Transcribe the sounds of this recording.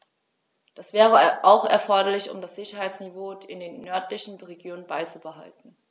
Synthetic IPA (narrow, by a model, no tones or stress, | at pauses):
d̥asv̥ɛːʁ̞əʔaʊxɛ̰ɐfɔɐɾɐlɪçʊ̰mdasz̥ɪçɐɦaɪt͡snivoːɪndeːnːœɐtlɪçn̩ʁeɡjoːnənbaɪt͡subəɦa̰ltn̩